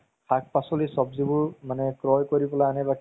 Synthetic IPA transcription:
ak̚pasɔlisɔbzibʊɹmanɛkɹɔjkoɹibɔlajanɛbakʰ

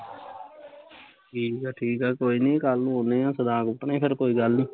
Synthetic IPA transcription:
ʈʰiːkɛːʈʰiːkɛːkoːiːnĩːkalũːɦoːnẽːãːsəd̪ãːkʊʈnẽːpʰɪɾkoːiːɡəlnĩː

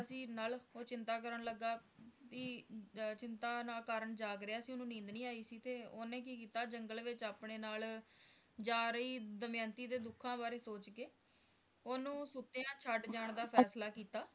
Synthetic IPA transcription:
əsĩːnaːloːt͡ʃɪnt̪aːk̬əɾəɳləɡːaːpiːt͡ʃɪnt̪aːnaːkaːɾəɳd͡ʒaːɡɾɪaːəsĩʊnũːnĩːnd̪nĩːaːiːsiːt̪eːoːnẽːk̬iːkiːt̪aːd͡ʒəŋɡəlʋɪt͡ʃaːpɳeːnaːl | d͡ʒaːɾəiːd̪əmjãːnt̪iːd̪eːd̪ʊkʰːãːbaːɾeːsoːt͡ʃkeː | oːnũːsʊt̪ːẽãːt͡ʃʰəɖd͡ʒaːɳd̪aːpʰɛːslaːkiːt̪aː

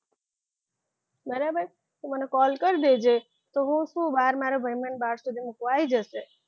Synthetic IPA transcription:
bəɾabəɾ | t̪umənekɔlkəɾd̪ed͡ʒe | t̪oɦũsũbaɾmaɾobʱəjmənbaɽsud̪ʱimukʋajd͡ʒəʃe

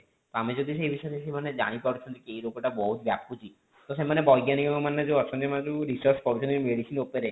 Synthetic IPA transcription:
t̪ɔamid͡ʒod̪ʱis̬ejbiʃɔeɾesemaned͡ʒa̰ɽ̃ipaɾut͡ʃʰɔnd͡ʒekejɾokɔʈabɔɦut̪bja̰put͡ʃʰi | t̪ɔsemanebɔjɡjanikɔŋɔmanːed͡ʒuɔt͡ʃʰɔnemand͡ʒuɾisɔɾskɔɽut͡ʃʰɔnemeɽisinopeɾe

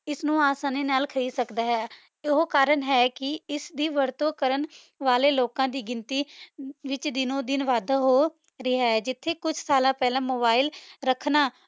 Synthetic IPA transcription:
ɪsnũːaːsaːneːnaːlkʰəɾiːsəkd̪aːɦɛː | ɪɦoːkaːɾəɳɦɛːkɪɪsd̪iːʋəɾt̪õːkəɾən | ʋaːleːloːkãːd̪iːɡɪnt̪iːʋɪt͡ʃd̪ɪnõːd̪ɪnʋaːd̪aːɦoː | ɾɪːaːɦɛːd͡ʒɪt̪ʰːeːkʊd͡ʒsaːlãːpɛːlãːmoːbaːɪlɾəkʰnaː

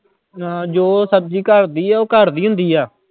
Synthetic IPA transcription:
d͡ʒoːsəb̚d͡ʒiːkəɾd̪iːɛːoːkəɾd̪iːɦʊ̃nd̪iːaː

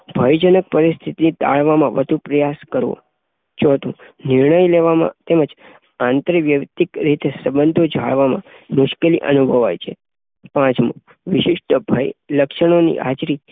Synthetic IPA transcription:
bʱəjd͡ʒənək̚pəɾist̪ʰit̪init̪a̰ɭʋamãʋəd̪ʱupɾəjaskəɾʋo̰ | t͡ʃɔt̪ũ | nɪɾɳəjleʋamã̰t̪eməd͡ʒ | ãnt̪ɾəʋjəkt̪ikɾit̪esəbənd̪ʱod͡ʒʱa̰ɭʋamã̰ | mʊʃkeliʔə̰nubʱəʋa̰jt͡ʃʰe | pãt͡ʃmṵ̃ | ʋɪʃɪʃʈəbʱəjləkʃəɳ̃onḭʔa̰t͡ʃɾi

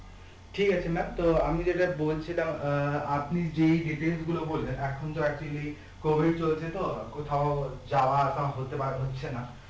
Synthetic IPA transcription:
ʈʰikat͡ɕʰemɛmt̪oapnid͡ʑeʈabolt͡ɕʰilamapnid͡ʑeɖiʈelsɡulobollenɛkʰont̪oɛk̚t͡ɕuali | kobʱiɖ̚t͡ɕolt͡ɕʰet̪okot̪ʰaod͡ʑaoaʃaɦot̪epaɾeɦotːɕʰena

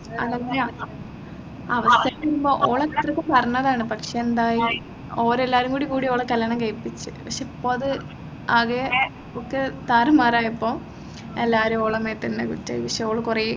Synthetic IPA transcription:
ɐ̰ðɐa | ɐʋɐst̪ʰɐjɐmumboːʔoːɭɐit̪rɐkːumpɐrɐɲːɐðaːɳɨpɐkʂeend̪aːji | oːɾelːaːɾumkuːɽikuːɽioːɭɐkːɐlːɐɳɐŋkejpːit͡ɕːɨ̰pɐkʂeipːoːɭɐðɨ | aːɣe | okːet̪aːɾɐmaːɾaːjipːoː | elːaːɾumoːɭɐmeːt̪ːɐnːekutːa̰ːjipɐkʂeoːɭɐkurɐj

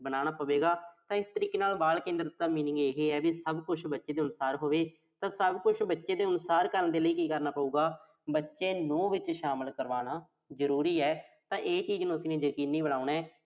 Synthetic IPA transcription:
bəɽaːɽ̃aːpəʋeːɡaːt̪ãːɪst̪əɾiːkeːnaːlbaːlkẽːnd̪əɾəaːmiːnɪ̃ŋɡeːɦeːɛːbiːsəbkʊt͡ʃʰbətːʃeːd̪eːʊnsaːɾɦoːʋeː | t̪ãːsəbkʊt͡ʃʰbətːʃeːd̪eːʊnsaːɾkəɾənd̪eːləiːkiːkəɾnaːpəuːɡaː | bətːʃeːnũːʋɪt͡ʃʃaːməlkəɾʋaːɽaː | zəɾuːɾiːɛːt̪ãːʔeːt͡ʃiːd͡ʒnũːəsiːneːd͡ʒəkiːnːiːbəɽaːunɛː

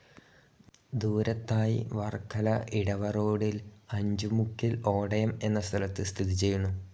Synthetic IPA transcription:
d̪uːɾɐt̪ːaːjḭʋɐrkʰːɐlɐʔiɽɐʋɐro̞ːɽilɐɲd͡ʑumukːilo̞ːɽɐjɐme̞nːɐst̪ʰɐlɐt̪ːɨst̪ʰiðit͡ɕe̞jːunːu

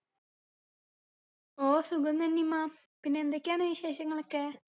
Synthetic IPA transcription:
oːsuɡɐnd̪ɐnːimːa | pinːeːnd̪okʲːaːɳɨʋiɕeːɕɐŋːɐɭokːe

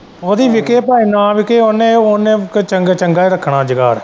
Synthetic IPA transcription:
oːd̪iːʋɪkeːpaːiːnãːʋɪkeːoːnẽːoːneːkt͡ʃəŋɡt͡ʃəŋɡaːiːɾəkʰːɳaːd͡ʒəɡa̰ːɾ

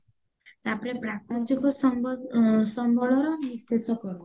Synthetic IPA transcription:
t̪apɔɾepɾakɔd͡ʒikɔsɔ | sɔmbʱɔlɔɾɔnisesɔkɔɾɔ

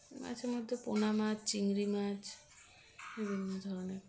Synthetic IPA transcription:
ma̰d͡ʒeɾmɔd̪ʱːeponamad͡ʒt͡ʃiŋɾimad͡ʒ | bibʱinːɔd̪ʱɔɾɔneɾ

